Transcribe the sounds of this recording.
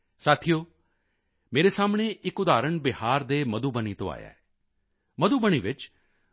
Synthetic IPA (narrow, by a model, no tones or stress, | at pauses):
saːt̪ʰijoː | meːɾesaːmɳ̃eɪkʊd̪aːɾəɳbɪhaːɾd̪emɐd̪ubənit̪õ̰a̰ːja̰ːɛː | mɐd̪ubəñiʋɪt͡ʃ